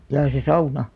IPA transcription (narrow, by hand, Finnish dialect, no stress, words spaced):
jɑː se sɑunɑ